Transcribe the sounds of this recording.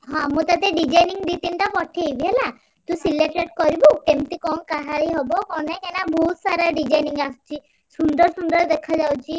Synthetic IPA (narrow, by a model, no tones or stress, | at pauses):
ɦɔ̃mũt̪at̪eɖid͡ʒajniŋd̪it̪iɳʈapɔʈʰiebiɦela | t̪usileʈeʈkɔɾiboʈemt̪ikɔnkaɦaɾiɦɔbɔkɔnekenabʱɔut̪saɾaɖid͡ʒajniŋɡast͡ʃʰi | suɳɖɔɾsuɳɖɔɾd̪ekʰad͡ʒawt͡ʃʰi